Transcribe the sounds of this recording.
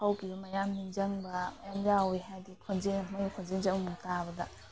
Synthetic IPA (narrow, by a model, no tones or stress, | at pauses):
hawkʰibɐmɐjamniŋd͡ʒɐŋbɐmɐjamjawojɦajdikʰond͡ʒeŋmɐjkʰond͡ʒeŋd͡ʒɐŋmuŋtabɐdɐ̰